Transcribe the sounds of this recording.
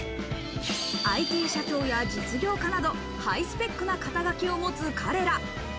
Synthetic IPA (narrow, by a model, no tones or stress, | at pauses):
aike̞ːɕat͡ɕo̞ːjad͡ʑit͡sɨɡʲo̞ːkanad̪o̞ | haisɨ̥pʲe̞kːɯnakat̪aɡakʲio̞mo̞t͡sɨkʰaɾe̞ɾa